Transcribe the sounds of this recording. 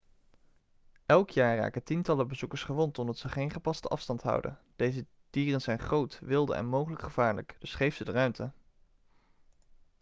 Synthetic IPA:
ʔɛlˠkjaːɹra̰ːkətintɑləbəzukəɹsχəʋontɔmdɑtsəχejnχəpɑstəʔɑfstɑntɦʌ̰wdə̰n | d̥ejzə | d̥iːrənzɛjnχrowtʋɪlˠdə̰ɛ̰nmowχələkχəv̥aːɹlə̰kd̥ɵsχejfsədərœɥmtə

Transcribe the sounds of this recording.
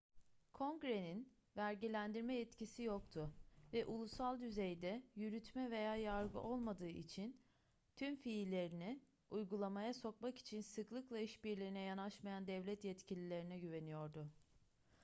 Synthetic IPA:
kʰo̞ŋɡɾe̞nin | væɾɟilʲænd̪iɾmɛjɛt̪cisijo̞kt̪ʰʊvɛʔulˠusalˠd̪yzejd̪ɛjyɾyt̪ʰmɛve̞jaːjaɾɡɯ̰ʔo̞lˠmad̪ɯːʔit͡ʃʰin | t̪ʰymfiːlʲe̞ɾini | ujɡulˠamajaso̞kmaki̥t͡ʃʰinsɯklˠɯklˠaiʃbiɾlʲiinɛjanaʃmajand̪ɛvlʲɛt̪jɛt̪cilʲilʲe̞ɾinɛɟyve̞nijo̞ɾd̪ʊ

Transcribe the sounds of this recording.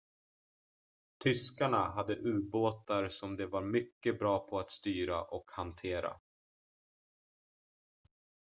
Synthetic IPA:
t̪ʰʏskaɳaɦad̪ːəʔʉ̟ːɾboːt̪aɾsɔmd̪ɛvaɾmʏkːəbɾɑːpʰɔat̪st̪yːɾaʔɔkhant̪ʰeːɾa̰

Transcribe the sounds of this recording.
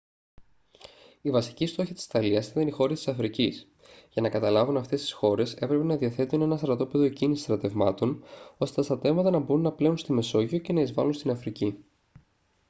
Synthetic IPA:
ivɐsi̥cist̪o̞çɐt̪i̥si̥t̪ɐliɐsit̪ɐnixo̞ɾist̪i̥sɐfɾicis | ʝɐnɐkɐt̪ɐlɐvunɐft̪e̞st̪i̥sxo̞ɾe̞se̞pɾe̞pe̞nɐðiɐθe̞t̪une̞nɐst̪ɾɐt̪o̞pe̞ðo̞ecinisi̥st̪ɾɐt̪e̞vmɐt̪o̞no̞st̪e̞t̪ɐst̪ɾɐt̪e̞vmɐt̪ɐnɐbo̞ɾunːɐpleunst̪ime̞so̞ʝio̞ce̞nɐizvɐ̰lunst̪inɐfɾici

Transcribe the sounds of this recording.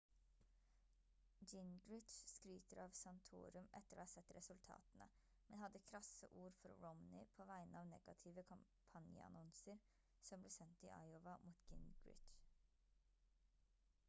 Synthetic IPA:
d͡ʒɪnɡɹɪt͡ʃskɾyːt̪əɾɑːʋsɑnt̪ʰṵːɾʉmʔɛt̪ːəɾo̰ːhɑːsɛt̪ːɾɛsʉlt̪ʰɑ̰ːt̪nə̰ | mɛnhɑd̪əkʰɾɑsə̰ʔuːɾfɔɾɹɔmnɪpʰoːʋæɪnəɑːʋnɛɡ̥ɑt̪ʰɪʋəkʰɑm | pʰɑnjə̰ɑ̰nɔnsəɾ | sɔmbleːsɛnt̪ḭːʔɑ̰ɪɔʋɑmuːt̪ɡɪnɡ̥ɹɪ̰ʃ

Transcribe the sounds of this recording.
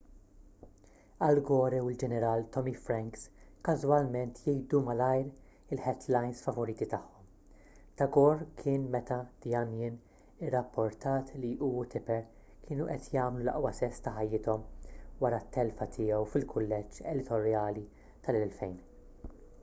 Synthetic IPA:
ɐlɡɔːɾɛwɪld͡ʒɛnɛɾɐːlt̪ɔmifɾɛŋkskɐzwɐlmɛnt̪jɛjd̪umɐlɐjɾ | ɪlħɛd̪lɐjnsfɐvɔɾiːt̪it̪ɐħːɔm | t̪ɐɡɔɾkʰɪːnmɛt̪ɐd̪̥ijɐnjɪn | ɪrːɐpʰːɔɾt̪ɐːt̪liʔuːt̪ʰɪpɛɾ | kʰɪːnuʔɛt̪jɐːmlulɐ̰ʔwɐsɛst̪ɐħɐjːɪt̪ɔmwɐɾɐt̪ːɛlfɐt̪ʰɪːɛwfɪlkʰʊlːɛd͡ʒɛd̪ɪt̪ɔɾjɐːli | t̪ɐlɛlfɛjn

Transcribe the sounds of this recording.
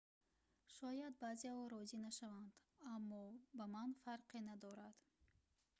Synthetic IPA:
ʃɔjad̪bazeɔɾɔzinaʃavand̪amːɔbamanfaɾqenad̪ɔɾad̪̥

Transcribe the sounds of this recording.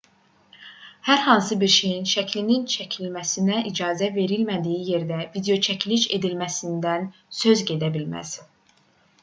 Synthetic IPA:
hæɾhɑnsɯbiɾʃejinʃæcʰlinint͡ʃʰæcʰilmæsinæʔid͡ʒɑːzæve̞ɾilmæd̪ijije̞ɾd̪ævid̪eo̞t͡ʃʰæcʰiliʃe̞d̪ilmæsind̪ænsø̞zɟe̞d̪æbilmæ̰z̥

